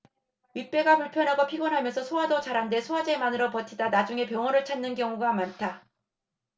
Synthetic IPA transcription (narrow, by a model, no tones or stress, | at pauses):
ɥip͈e̞ɡapuɭpʰjʌnɦaɡopʰiɡʌnɦamjʌnsʰʌsʰoadot͡ɕaɾɦande̞sʰoad͡ʑe̞manɯɾʌpʌtʰidanad͡ʑuŋe̞pjʌŋʌɾɯɭt͡ɕʰanːɯnkjʌŋuɡamantʰa